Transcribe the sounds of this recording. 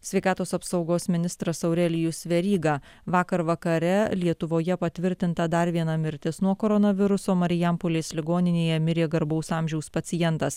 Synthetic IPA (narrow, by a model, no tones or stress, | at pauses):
sʲʋʲɛɪkɑːt̪oːsɐpsɒʊɡoːsmʲɪnʲɪst̪ɾɐsɐʊɾʲɛlʲɪjusʋʲɛɾʲiːɡɑː | ʋɑːkɐɾʋɐkɐɾʲɛlʲiɛt̪ʊʋoːjɛpɐt̪ʲʋʲɪɾʲt̪ʲɪnt̪ɐd̪ɐɾʋʲiɛnɐmʲɪɾʲt̪ʲɪsnuɔkoːɾɔnɐʋʲɪɾʊsoːmɐɾʲɪjɛmpolʲeːslʲɪɡoːnʲɪnʲeːjɛmʲɪɾʲeːɡɐɾbɐʊsɑːmʲʒʲɛʊspɐt̪sʲɪjɛnt̪ɐs